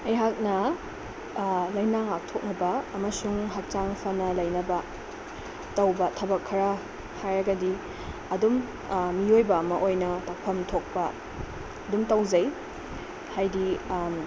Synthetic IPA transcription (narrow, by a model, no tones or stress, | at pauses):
ɐjɦak̚nɐ | lɐjnaŋak̚tʰok̚nɐbɐːmɐsuŋɦak̚t͡ʃaŋpʰɐnɐlɐjnɐbɐ | tɐwbɐtʰɐbɐkʰːɐɾɐ | hajɾɐɡɐdi | ɐdum | miojbɐːmɐʔojnɐtak̚pʰɐmtʰok̚pɐː | dumtɐwzɐj | hajdi